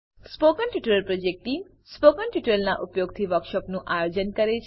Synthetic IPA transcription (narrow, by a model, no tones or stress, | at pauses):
spokənʈiʈəɾəlpɾod͡ʒek̚ʈʈim | spokənʈiʈəlnaʔupjoɡ̚t̪ʰiʋəɾkʃɔpnũʔajod͡ʒənkəɾet͡ʃʰ